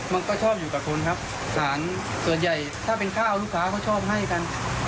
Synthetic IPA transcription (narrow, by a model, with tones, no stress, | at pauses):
ma˧nkɔː˥˩t͡ɕʰɔː˥˩p̚juː˨˩kaː˨˩kʰo˧nkʰa˦˥p̚ | saː˩˦n | su˨˩ənja˨˩j | t̪ʰaː˥˩pe˧nkʰaː˥˩ʔa˧wlu˥˩kʰːaː˦˥kʰa˥˩wt͡ɕʰɔː˥˩p̚ɦa˥˩jka˧n